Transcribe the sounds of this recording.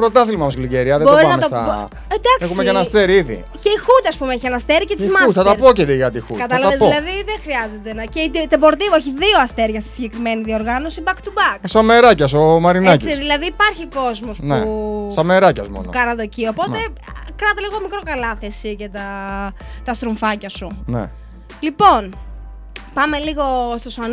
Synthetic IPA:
pɾot̪ɐθilmɐmosliɟeɾiɐðeboɾianɐmet̪oɐ̰ | d̪ɐkesxumecenɐst̪e̞ɾiiðḭ | ceixut̪ɐspumeeçienɐst̪eɾicet̪iizmɐusɐt̪ɐpocet̪iʝɐt̪ixṵkɐt̪ɐlɐɐðolɐðiðexɾiɐze̞t̪e̞nɐceit̪t̪ebo̞ɾt̪ivoeçiðio̞ɐst̪e̞ɾʝɐst̪i̥siʝekɾimeniðio̞ɾɣɐno̞sibɐkt̪ubɐkosɐmeɾɐcɐs̬omɐɾinɐkisiðilɐðiːpɐɾçiko̞zmo̞spnḛsɐmeɾɐcɐ̰smo̰nuo̰kɐnɐðo̞cio̞po̞t̪e̞kɾɐt̪ɐliɣo̞mikɾo̞kɐlɐθesicet̪ɐ | t̪ɐst̪ɾuɱfɐcɐsunḛ | lipo̞n | pɐme̞liɣo̞st̪osɐn

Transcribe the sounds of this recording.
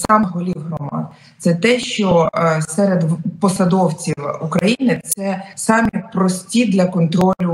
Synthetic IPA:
sɑmɦɔlʲiwɦɾɔmɑ̰d̪ | t̪sɛt̪ɛʃt͡ʃɔsɛɾed̪pɔsɐd̪ɔwt͡sʲiwukɾɐjinɪt̪sɛsɑmʲitpɾɔsʲtʲid̪lʲɐkɔnt̪ɾɔlʲʊ

